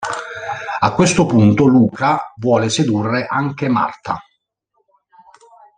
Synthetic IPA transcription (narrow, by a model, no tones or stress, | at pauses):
akːwest̪opunt̪oluːkavwɔːlesed̪urːeʔaŋkema̰rt̪a̰